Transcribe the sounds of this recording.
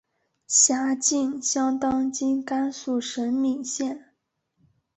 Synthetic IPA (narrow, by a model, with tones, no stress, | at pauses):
ɕja˧˥t͡ɕi˥˩nɕjɑ˥ŋt̪ɑ˥ŋt͡ɕi˥nka˥nsu˥˩ʂə˧˥nmi˨˩ŋɕjɛ˥˩n